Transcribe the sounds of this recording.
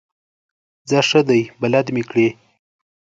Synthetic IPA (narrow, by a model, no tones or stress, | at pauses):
zaʂəd̪ajbalad̪mikɽe